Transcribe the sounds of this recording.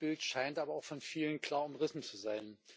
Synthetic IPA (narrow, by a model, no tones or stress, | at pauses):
b̥ɪltʃaɪntʔaːbɐaʊfɔnfiːlənkʰl̥aːɐʊmʁɪsn̩t͡suzaɪn